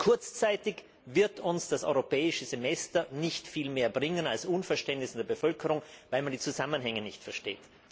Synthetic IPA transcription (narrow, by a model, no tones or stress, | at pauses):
kʰʊɐt͡st͡saɪtɪç | vɪɐtʊnsd̥asʔɔ̰ʏʁopʰɛːɪʃəzemɛstɐnɪçtfiːlmeːɐbʁɪŋənalsʔuːnfɛɐʃtɛntnɪsɪndeːɐbəfœlkəʁʊŋvaɪlmandiːt͡suzamənɦɛŋənɪçtfɛɐʃteːt